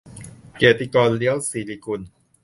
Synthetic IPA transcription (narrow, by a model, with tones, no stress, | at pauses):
keː˨˩t̪i˧˩kɔː˧nli˦˥ə˦wsiː˨˩li˧˩ku˧˩n